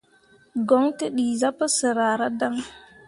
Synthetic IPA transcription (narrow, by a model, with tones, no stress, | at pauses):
ɡɔ˦ŋtə˦ɗi˨za˦pə˦sə˨ɾaː˨ɾa˦da˦ŋ